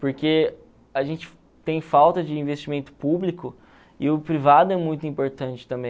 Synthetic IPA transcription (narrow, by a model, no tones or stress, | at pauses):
poɾke | aʒẽnt͡ʃɪ̥ | t̪ẽj̃fawt̪ɐd͡ʒɪĩvest͡ʃimẽnt̪ʊ̥publikʊ | ɪʊpɾivad̪ʊɛmũj̃t̪ʊĩmpoɾt̪ɐ̃nt͡ʃɪ̥t̪ɐ̃mbẽ